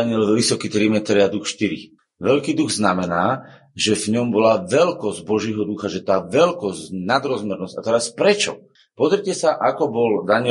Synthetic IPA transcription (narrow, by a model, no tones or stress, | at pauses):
aɲɪɛlʋisɔkiːt̪ɾimɛt̪ɾɛad̪uxʃt̪iɾḭ | ʋɛlkiːd̪uɣznamɛnaː | ʒɛvɲɔmbɔlaʋɛlkɔzɟbɔʒjɛɦɔd̪uxaʒɛt̪aːʋɛlkɔzcnad̪ɾɔzmɛɾnɔzcat̪ɛɾaspɾɛt͡ʃɔ̰ | pɔzɾicɛsaʔakɔbɔld̪aɲɪɛ